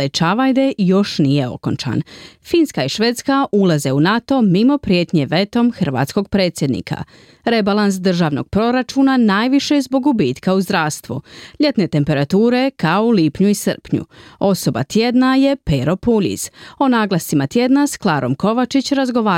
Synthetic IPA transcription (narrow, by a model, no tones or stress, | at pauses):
et͡ʃaʋajd̪e̞jo̞ʃnije̞o̞̰ko̞̰nt͡ʃa̰nfinskaiʃʋeːt̪skaʔulˠaze̞unat̪o̞mimo̞pɾije̞t̪ɲe̞ʋe̞t̪o̞mxr̩ʋa̰ːt̪sko̞ɡ̚pɾe̞ːt̪sʲjed̪nḭkʰa̰ | ɾe̞balˠans̬d̪r̩ʒaːʋno̞̰ɡ̥̚pɾo̞ɾat͡ʃuːnanaːjʋiʃezbo̞ɡubiːt̪kauzd̪ɾaːʋst̪ʋṵʎe̞t̪ne̞t̪e̞mpe̞ɾat̪uːɾe̞kaoliːpɲuisɨr̩pɲṵo̞so̞ba̰t̪jed̪naje̞peɾo̞puʎḭzo̞naːɡlˠasimat̪jed̪nasklˠaːɾʔo̞mko̞ʋat͡ʃit͡ɕɾazɡo̞ʋaː